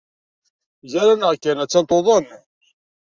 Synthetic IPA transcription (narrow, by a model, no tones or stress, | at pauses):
zæɾænʁkːænæt͡sːænt̪ˤoðˤən